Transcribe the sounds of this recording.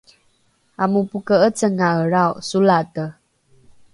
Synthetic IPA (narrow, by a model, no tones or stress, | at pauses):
amupukəət͡səŋaəɾawʔsulatə